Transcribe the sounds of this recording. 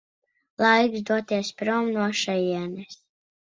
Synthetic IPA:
lˠajkzd̪uɔt̪iɛspɾɔmnuɔʃajiɛnɛs

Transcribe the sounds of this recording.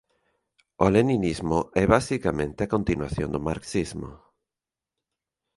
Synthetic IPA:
oleninizmoʔɛβasikamẽnt̪ɪakont̪inwaθjond̪oma̰ɾksizmo̰

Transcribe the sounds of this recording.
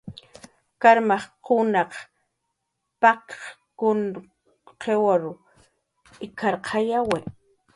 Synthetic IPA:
kaɾmaχqʊnɑq | pakkʊn | qewaɾʊ | ɪkʰaɾqʰɑjawe

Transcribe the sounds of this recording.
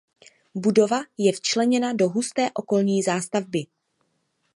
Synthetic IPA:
budo̞vajɛft͡ʃlɛɲɛnado̞ɦust̪ɛːʔo̞ko̞lɲiːzaːst̪avbɪ

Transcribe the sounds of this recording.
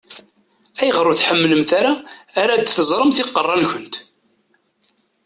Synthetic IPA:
æjəʁɾˤuθħəmːləmθaɾaːɾæd̪θəzˤɾˤəmθɪqːərˤːɑnçʊnt̪

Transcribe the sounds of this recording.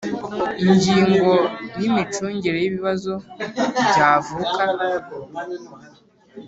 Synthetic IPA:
iɲɟiːŋɡonimit͡ʃoɲɟeɾejiβiβazoɟavuka

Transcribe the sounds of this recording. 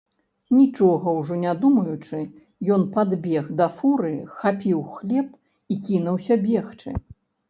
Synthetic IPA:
nʲit͡ʂɔɣɐwʐɔnʲad̪umɐjut͡ʂɨ | jɔnpad̪bʲɛɣd̪ɐfuɾɨxapʲiwxlʲɛp̚ | ikʲinɐwsʲɐbʲɛxt͡ʂɨ̰

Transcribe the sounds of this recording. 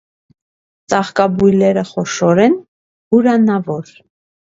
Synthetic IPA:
t͡sɑχkɑbujlɛɾəχɔʃɔɾɛn | huɾɑnɑvɔɾ

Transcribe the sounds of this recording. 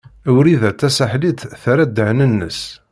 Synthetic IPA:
wɾiðæt͡s̪ːæsəħlit̪θæɾæd̪əʕnənːə̰s

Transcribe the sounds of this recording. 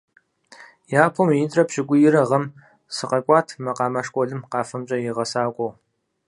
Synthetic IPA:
jaːpʰomjɪntʼrɐpɕɪɡʷʊjɪɾɐʁɐm | sɨqɐkʷʼɑːtʰmɐqɑːmɐʂkʷʼɔɮɨmqɑːfɐmt͡ʃʼɐjɪʁɐsaːkʷʼɔw

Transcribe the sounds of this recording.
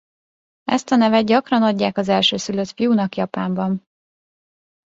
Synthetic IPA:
ʔɛ̰st̪ɒnɛvɛt̪̚ɟɒkrɒnɒɟːaːkɒzɛlʃøːsyløt̪fijunɒkjɒpaːmbɒn

